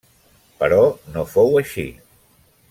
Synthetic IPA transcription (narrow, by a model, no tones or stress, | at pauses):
pəɾɔnofowəʃḭ